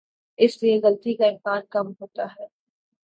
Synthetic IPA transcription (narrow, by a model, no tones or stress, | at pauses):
ɪslieɣɐlt̪ikaɪ̃mkaːnkɐmɦoːt̪aɦɛː